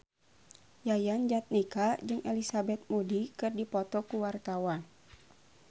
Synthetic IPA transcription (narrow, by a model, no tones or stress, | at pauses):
jajand͡ʒat̪̚nikad͡ʒɨŋʔelisabɛt̪̚modikɨrdipɔt̪ɔkuwart̪awan